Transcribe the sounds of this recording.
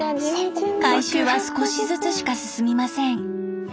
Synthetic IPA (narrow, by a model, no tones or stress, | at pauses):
kaiɕɨːβasɨ̥ko̞ɕizɨt͡sɨɕi̥kasɨsɨmʲimasẽ̞ŋ